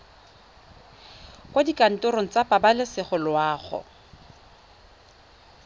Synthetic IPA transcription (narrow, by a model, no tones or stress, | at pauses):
kwadikʼan̩tʼʊɾoŋ̩t͡sapʼabalɪsɪχʊlwaːχʊ̰